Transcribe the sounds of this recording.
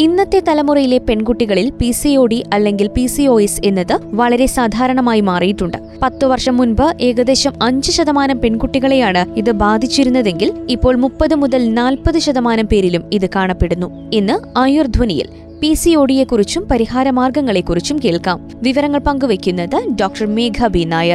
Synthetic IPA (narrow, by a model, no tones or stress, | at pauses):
inːɐt̪ːe̞t̪ɐlɐmurɐjile̞pe̞ɳkuʈːiɣɐɭilpisio̞ːɽiʔɐlːe̞ŋɡilpisio̞ːese̞nːɐðɨʋɐɭɐɾe̞saːd̪ʱaːɾɐɳɐmaːjimaːrijiʈːuɳɖɨ | pɐt̪ːɨʋɐrʂɐmːunbɐʔe̞ːɣɐd̪e̞ːɕɐmɐɲd͡ʑɨɕɐðɐmaːnɐmpe̞ɳkuʈːiɣɐɭe̞jaːɳɨiðɨbaːd̪ʱit͡ɕːiɾunːɐðe̞ŋɡilipːo̞ːɭmupːɐðɨmuðɐlnaːlpɐðɨɕɐðɐmaːnɐmpe̞ːɾilumiðɨkaːɳɐpːe̞ɽunːu | enːɨaːjurd̪ʱʋɐnijḭl | pisio̞ːɽije̞kːurit͡ɕːumpɐɾihaːɾɐmaːrɡɐŋːɐɭe̞kːurit͡ɕːumke̞ːɭkaːm | ʋiʋɐɾɐŋːɐɭpɐŋɡuʋe̞kʲːunːɐðɨɖoːk̚ʈɐrmeːɡʱɐbʱinaːjɐr